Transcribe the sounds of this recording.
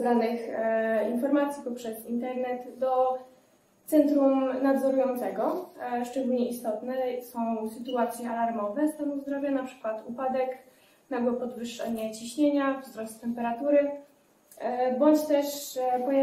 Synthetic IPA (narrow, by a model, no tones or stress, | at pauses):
d̪anɘxinfɔɾmat̪sʲjipɔpʂɛzint̪ɛɾnɛt̪ːɔ | t̪sɛnt̪ɾumnad̪zɔɾujɔnt̪sɛɡɔʂt͡ʂɛɡulɲɛist̪ɔt̪nɛsɔ̃w̃sɘt̪uat̪sʲjɛalaɾmɔvɛsamuzd̪ɾɔvʲjanapʂɘ̥kwat̪upad̪ɛk | naɡwɔpɔd̪vɘʂʂɛ̰ɲat͡ɕiɕɲeɲavzɾɔst̪t̪ːɛmpɛɾat̪uɾɘ | bɔɲt͡ɕt̪ɛʂpɔja